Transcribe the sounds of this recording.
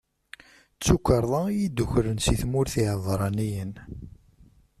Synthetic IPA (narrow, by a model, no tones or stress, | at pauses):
t͡sːukːəɾˤðˤɑjid̪ːuçɾənsiθmʊɾθiɦəðˤɾˤɑnijən